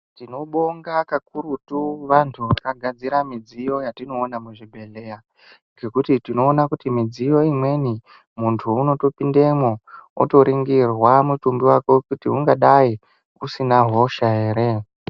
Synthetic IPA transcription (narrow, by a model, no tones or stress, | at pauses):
tino̞ɓoŋɡakakuɾutuʋantʰuakaɡʱad͡ziɾamid͡zijo̞jatino̞ːnamuʐibʱe̞le̞ja | ɡe̞kutitino̞ːnakutimid͡zijo̞imwe̞ni | muntʰuːno̞to̞pindemoṵto̞ɾiŋɡirwamutumbiwakokutiuŋɡaɗai | usinaɦo̞ʃae̞ːɾe̞